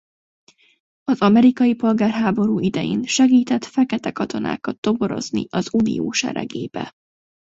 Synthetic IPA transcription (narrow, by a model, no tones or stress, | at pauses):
ɒzɒmɛɾikɒjipo̞lɡaːrɦaːbo̞ɾuːid̪ɛjeːnʃɛɡiːt̪ɛt̪fɛkɛt̪ɛkɒt̪o̞na̰ːkɒt̪ːo̞boɾo̞̰znḭɒzunḭoːʃɛ̰ɾɛ̰ɡeːbɛ̰